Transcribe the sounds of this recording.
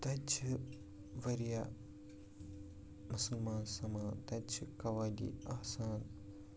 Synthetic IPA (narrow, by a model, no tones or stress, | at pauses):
t̪ɐt͡ʃʰ | ʋɐɾija | musɐlmaːnsɐmaːd̪ɐt͡ʃʰkɐʋaːdḭɐɦsaːn